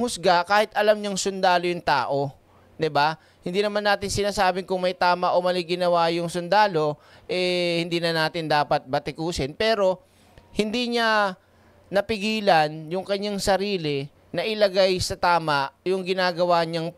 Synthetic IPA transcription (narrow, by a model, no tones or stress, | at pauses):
hʊsɡakaːhɪt̪ʔɐlamɲaŋsʊnd̪aːlojʊŋt̪a̰ːʔo̞ | d̪ɪba | hɪnd̪iːnɐmanːaːt̪ɪnsɪnaːsaːbɪŋkʊŋmɐjt̪aːmɐʔomɐliɡɪnɐwajʊŋsʊnd̪aːlo̞ʔɛhɪnd̪iːnɐnaːt̪ɪnd̪aːpɐt̪̚bɐt̪ɪkuːsɪnpɛːɾo̞ | hɪnd̪iːɲa | nɐpɪɡiːlɐnjʊŋkɐɲːaŋsɐɾiːlɪ | nɐʔɪlɐɡajsɐt̪aːmɐʔjʊŋɡɪnaːɡɐwaɲɐŋ